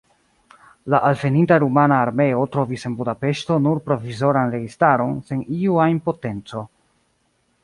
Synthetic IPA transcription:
laʔalve̞nintaɾumanaːɾme̞o̞tɾo̞vise̞nbudape̞ʃto̞nuɾpɾovizo̞ɾanɾe̞ɡistaɾo̞nse̞niuaimpo̞te̞nt͡so̞

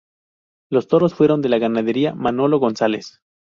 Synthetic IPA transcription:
lo̞st̪o̞ɾo̞sfwe̞ɾo̞nd̪e̞laɣanað̞e̞ɾiamano̞lo̞ɣo̞nsale̞s

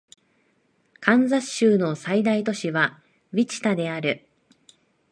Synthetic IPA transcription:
kʰãnzaɕːɨːno̞said̪ait̪o̞ɕiβa | βʲit͡ɕi̥t̪ad̪e̞aɾɯ̟

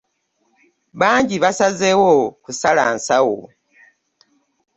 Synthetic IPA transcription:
βaːɲɟiβasazewokusala̰ːnsawo̰

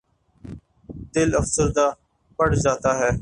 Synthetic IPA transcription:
d̪ɪləfsəɾd̪aː | pəɽd͡ʒaːt̪aːɦɛː

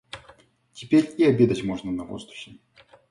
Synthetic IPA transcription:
tʲɪpʲeɾʲiɐbʲe̞d̪ətʲmo̞ʐnənɐvo̰zd̪ʊxʲɪ

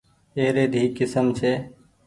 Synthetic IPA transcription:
eːɾeːd̪ʱiːkɪsəmt͡ʃʰeː

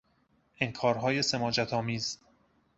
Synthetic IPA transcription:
eŋkʰɒːɾɦɒːje̞semɒːd͡ʒæt̪ʰɒːmiːz

